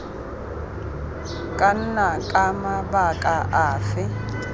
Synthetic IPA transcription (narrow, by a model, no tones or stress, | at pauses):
kʼan̩nakʼamabakʼaʔaːfɪ